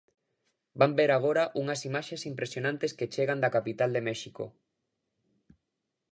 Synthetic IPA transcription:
bambeɾaɣ̞oɾɐʔuŋɐsimaʃesimpɾesjonãnt̪esket͡ʃeɣand̪ɐkapit̪ald̪emɛʃiko̰

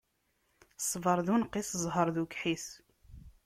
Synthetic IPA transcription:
sˤvəɾˤðunqisəzˤɦəɾˤðukħiθ

